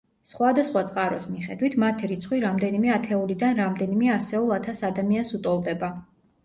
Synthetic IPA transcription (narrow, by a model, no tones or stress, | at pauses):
sχwad̪asχwat̪sʼqʼaɾɔsmiχɛ̰d̪wit̪ʰmat̪ʰiɾit̪sʰχwiɾamd̪ɛnimɛat̪ʰɛulid̪anɾamd̪ɛnimɛasɛulˠat̪ʰasad̪amiansut̪ʼɔlˠd̪ɛba